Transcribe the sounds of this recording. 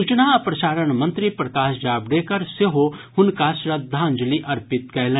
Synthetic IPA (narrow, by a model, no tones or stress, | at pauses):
ut͡ʃnaɐpɾɐʃaːɾəɳ̃mɐ̃nt̪ɾipɾɐkaːʃd͡ʒaːbɽeːkɐɾseɦohʊnkaːʃɾɐt̪̚d̪ʱãːnd͡ʒliʔɐɾpɪt̪kɛːlẽ